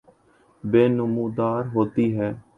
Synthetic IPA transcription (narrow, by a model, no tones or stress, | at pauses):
beːnʊmũːd̪aːɾɦoːt̪iːɦɛː